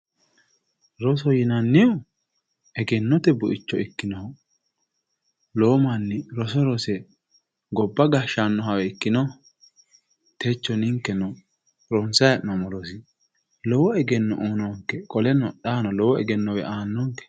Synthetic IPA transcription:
ɾɔs̬ɔjɪnɐnːɪjɔ | ɛɡɛnːɔt̪ɛbʊʔɪt͡ʃːɔɪkːɪnɔhɔ | loːmɐnːɪɾɔsɔɾɔsɛ | ɡɔbːɐɡɐʃanːɔɦɐwɛɪkːɪnɔ | t̪ɛt͡ʃːɔnɪŋkːɛnɔ | ɾɔnsɐjɐnɔmɔɾɔsɪ | lɔwɔɛɡɛnːɔʔoːnɔŋkːɛkʼɔlɛnɔᶑaːnɔlɔwɔɛ̰ɡɛnːɔwɛ̰ʔaːnːɔŋkɛ̥

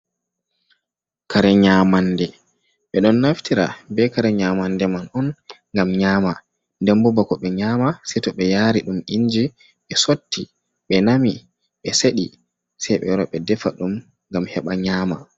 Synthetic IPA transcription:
kaɾɛɲaːmandɛ | ɓɛɗɔnːaftiɾa̰bɛkaɾɛɲaːmandɛmanɔnŋɡamɲaːma | ndɛmbɔbakɔɓɛɲaːmasɛtɔɓɛjaːɾiɗumiɲd͡ʒi | ɓɛsotːi | ɓɛnami | ɓɛseɗi | sɛjɓɛ̰ɾɔɓɛdɛfaɗum | ŋɡamhɛɓaɲaːma

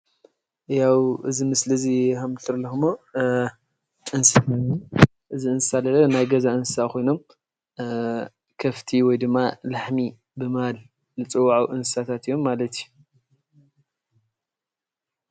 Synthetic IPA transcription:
jawʔɨzimɨslɨzixamt̪ʰɨɾlɐxɨmo | ʔɨns | ʔɨziɨnsɨsalɐlɐnajɡɐzaʔɨnsɨsakʰo̞jno̞m | kʰɐft̪ʰiwɔjd̪ɨmːalaħmi | bɨmal | lɨt͡sʼɨwːaʕuʔɨnsɨ̥sat̪ʰat̪ɨjo̞mːalɐt̪iju

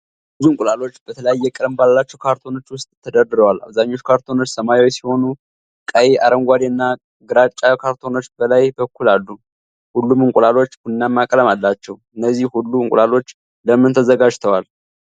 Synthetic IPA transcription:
bɨzuŋkʼulalo̞t͡ʃːb̥ət̪ʰələjajːɛkʼɨləmballːat͡ʃːɛwkʰaɾt̪ʰo̞no̞t͡ʃːwʊst̪ʼt̪ʰːəd̪əɾd̪ɨɾəwala̰βzaɲːo̞t͡ʃːkʰaɾt̪ʰo̞no̞t͡ʃːsəmajwojsiho̞nu | kʼajea̰ɾəŋɡʷad̪eɨnːa | ɡɨɾat͡ʃʼakʰaɾt̪ʰo̞no̞t͡ʃːb̥əlajbəkʰːulalːu | hulːumɨŋkʷʼulalo̞t͡ʃːbunːamːakʼələmalːat͡ʃːɛwɨnːəzːihhulːuɨŋkʼṵlalo̞t͡ʃː | ləmːɨnt̪ʰəzəɡad͡ʒt̪ʰəwal

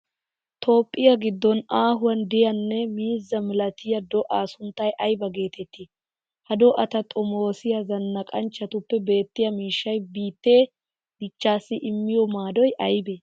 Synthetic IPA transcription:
t̪ʰo̞ːpʼːɪjɐɡɪd̪ːɔnaːɦʊwɐnd̪ɪjɐnːɛmiːzːɐmɪlɐt̪ɪjɐd̪ɔʔaːsʊnt̪ːɐjʔɐjbɐɡe̞ːt̪ʰɛt̪ːɪ | hɐd̪ɔʔɐt̪ɐt̪ʼɔmoːsɪjɐzɐnːɐkʼɐnt͡ʃːɐt̪ʊpːɛbe̞ːt̪ːɪjɐmiːʃːɐjbiːt̪ːeː | d̪̥ɪt͡ʃːaːsːɪʔɪmːɪjɔmaːd̪ɔjʔɐjbe

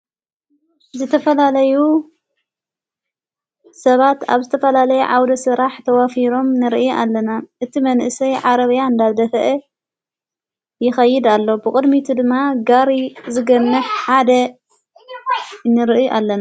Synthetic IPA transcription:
zɨt̪ʰɐfɐlalɐju | sɐβat̪a̰βzɨt̪ʰɐfɐlalɐjuʕawd̪ɐsɨɾaħt̪ʰɐwafiɾo̞mnɨɾʔɨjʔalːɐnaʔɨt̪ʰimɐnʔɨsɐjʕaɾɐβjaɨnd̪aβd̪ɐfʔe | jɪxɐjːɪd̪alːobɨkʼɨd̪mit̪ʰud̪ɨmːaɡaɾizɨɡɐnːɨħħad̪ɐ | nːɨɾʔɨjʔalːɐna

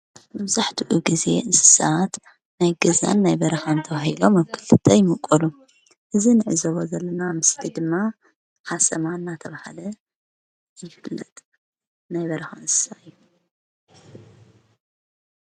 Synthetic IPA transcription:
mɐβzaħt̪ʰɨʔuɡize̞ɨsɨ̥sat̪ | najɡɐza̰nːajbɐɾɐxant̪ʰɐβahilo̞maβkʰːɨlt̪ɨt̪ʰɐjmɨkʼɐlu | ʔɨzinɨʕɨzoβozɐlːɐnamɨslid̪ɨmːa | ħasɐmanːat̪ʰɐβahalɐ | jɪfɨlːɐ̰t̪ʼ | najbɐɾɐxanɨsɨ̥saʔɨjːu

